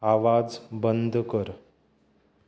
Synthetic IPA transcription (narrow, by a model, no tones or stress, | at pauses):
aʋad͡zbənd̪ʱkəɾ